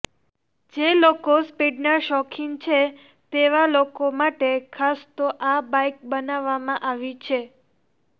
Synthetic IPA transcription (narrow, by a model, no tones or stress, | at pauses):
d͡ʒelokospiɖnaʃɔkʰiŋt͡ʃʰe | t̪eʋalokomaʈekʰast̪oʔabajk̚bənaʋːamãʔaʋit͡ʃʰe